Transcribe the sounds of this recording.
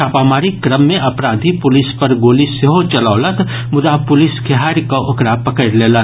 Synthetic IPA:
aːpaːmaːɾikɾəmːẽʔɐpɾaːd̪ʱipʊlɪspɐɾɡoːliseɦot͡ʃɐlaːlət̪ | mʊd̪apʊlɪskʰeɦaːɾkaʔʊkɾapɐkəɾleːlə

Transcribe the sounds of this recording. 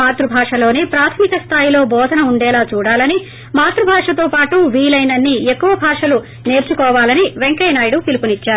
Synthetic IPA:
aːt̪ɾubʱaːʂɐlo̞ːneːpɾaːt̪ʰɐmikɐst̪ʰaːjilo̞ːbɔːd̪ʱɐnɐuɳɖɛːlaːt͡ʃuːɽaːlɐni | maːt̪ɾubʱaːʂɐt̪o̞ːpaːʈuʋiːlɐjnɐnːiekːuʋɐbʱaːʂɐlu | ne̞ːɾt͡ʃukɔːʋaːlɐniʋeŋkɐjnaːjɽup̪ilupunit͡ʃːaːɾu

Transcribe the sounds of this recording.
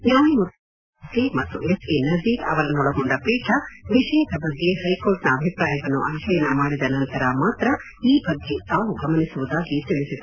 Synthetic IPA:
naːɦimut̪ | skemɐt̪ːuʔesenɐɾd̪iːkɐ̰ʋɐlɐnɔɽɐɡoɳɖɐpɾiːʈʰɐʋiʃɛːʃɐbɐɡːe̞hɐjkoːlʈnɐːbʱipɾaːjɐɡɐnːṵʔɐnkʰɐjɐnːɐmaːɽid̪ɐnɐnt̪ɐɾɐmaːt̪ɾɐ | iːbɐɡːet̪aːʋuɡɐmɐnisuʋud̪aːɡit̪ɐɭisid̪

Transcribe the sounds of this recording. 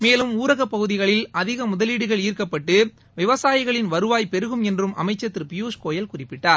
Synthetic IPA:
meːlɯmuːɾɐɣɐpːɐɣɯðɪɣɐɭɪlɐðɪɣɐmʊðɐliːɽɯɣɐɭiːrkɐpːɐʈːɯ | ʋɪʋɐsaːjɪɣɐɭɪnʋɐɾɯʋaːjpɛɾɯɣɯmɛndrɯmʔɐ̰mɐɪt͡ʃːɐt̪ːɪɾpɪjuːʂkoːjɐlkʊrɪpːɪʈːaːɾ

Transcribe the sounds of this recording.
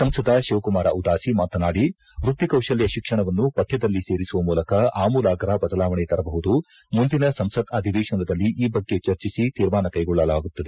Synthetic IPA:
sɐmsɐd̪ɐʃɐːʋkumaːɾɐ̰ud̪aːsimaːt̪ɐnaːɽi | ʋɾut̪ːikɐwʃɐljɐʃikʂɐɳɐʋɐnːupɐt̪ʰːjɐd̪ɐlːise̞ːɾisuʋɐmuːlɐkɐaːmuːlaːɡɐɾɐbɐd̪ɐlaːʋɐɳɛt̪ɐɾɐbɐɦud̪u | mund̪inɐsɐmsɐd̪ɐd̪ʱiʋeːʃɐnɐd̪ɐlːiʔiːbɐɡːe̞t͡ʃɐɾt͡ʃisit̪iːɾmaːnɐkɐjɡɔɭːɐlaːɡut̪ːɐd̪e

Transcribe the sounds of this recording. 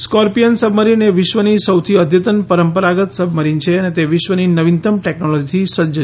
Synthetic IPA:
skɔɾpijənsəbməɾineʋɪʃʋənisəwt̪ʰiəd̪ʱjət̪ənpəɾəmpəɾaɡət̪səbʱməɾint͡ʃʰeənet̪eʋɪʃʋəninəʋint̪əmʈeknolɔd͡ʒit̪ʰisəd͡ʒə

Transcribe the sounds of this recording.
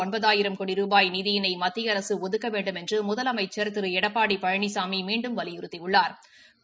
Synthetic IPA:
ɔnbɐðaːjɪɾɐmkoːɽiɾuːbaːjniːðɪjɪnɐɪmɐt̪ːɪjɐɾɐsɯɔðɯkːɐʋeːɳɖɯmɛndrɯmʊðɐlɐmɐɪt͡ʃːɛɾt̪ɯɾɯɛɽɐpːaːɽipɐɻɐɳisaːmimiːɳɖɯmʋɐlɪjɪɾɯt̪ːiʊɭːaːɾ

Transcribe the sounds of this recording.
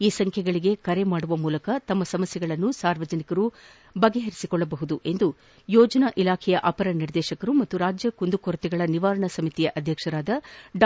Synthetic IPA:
iːsɐŋkʰjɛɡɐɭiɡe̞kɐɾe̞maːɽuʋɐmuːlɐkɐt̪ɐmːɐsɐmɐsjɛɡɐɭɐnːusaːɾʋɐd͡ʒɐnikɐɾu | bɐɡe̞ɦeɾisikɔɭːɐbɐɦud̪uʔe̞nd̪u | jɔːd͡ʒɐnɐʔilaːkʰɛjɐʔɐpɐɾɐniɾd̪ɛːʃɐkɐɾumɐt̪ːuɾaːd͡ʒjɐkund̪ukoɾɐt̪iɡɐɭɐniʋaːɾɐɳɐsɐmit̪ijɐʔɐd̪ʱjɐkʂɐɾaːd̪ɐɖ

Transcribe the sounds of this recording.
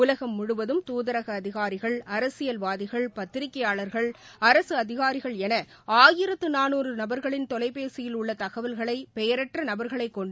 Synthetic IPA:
ʊlɐɣɐmːʊɽɯʋɐðɯmt̪uːðɐɾɐɣɐːðɪɣaːɾɪɣɐɭɐɾɐsɪjɐlʋaːðɪɣɐɭpɐt̪ːɪɾɪkːɐjaːɭɐɾɣɐɭɐɾɐsɯɐðɪɣaːɾɪɣɐɭɛnɐ | aːjɪɾɐt̪ːɯnaːnuːrɯnɐbɐɾɣɐɭɪnt̪ɔlɐɪpːeːsɪjɪlʊɭːɐt̪ɐɣɐʋɐlɣɐɭɐɪpɛjɐɾɛʈrɐnɐbɐɾɣɐɭɐɪkːɔɳɖ

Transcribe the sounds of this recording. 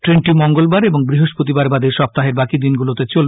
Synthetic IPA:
ʈɾenʈimɔŋɡolbaɾeboŋbɾiɦoʃpɾot̪ibaɾbad̪eɾʃɔp̚t̪aɦeɾbakid̪inɡulot̪et͡ɕol

